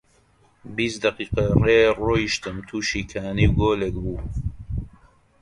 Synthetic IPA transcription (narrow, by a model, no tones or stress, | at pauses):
bisd̪ɐqiːqɐreːroːiʃt̪əmt̪ʰuːʃiːkʰaːniwɡoːlek̚buː